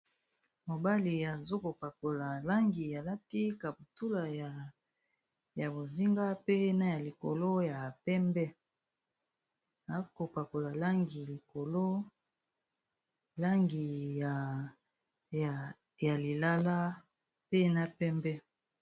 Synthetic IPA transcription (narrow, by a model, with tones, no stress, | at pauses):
mo˨ba˦li˨a˨zo˦ko˨pa˨ko˨la˨la˦ŋɡi˨ja˨la˦ti˦ka˨bu˨tu˦la˨ja˨ | ja˨bo˨zi˦ŋɡa˦pe˦na˦ja˨li˨ko̰˨lo˦ja˨pɛ˦mbɛ˦ | a˨ko˨pa˨ko˨la˨la˦ŋɡi˨li˨ko˨lo˦ | la˦ŋɡi˨ | ja˨li˨la˦la˦ | pe˦na˦pɛ˦mbɛ˦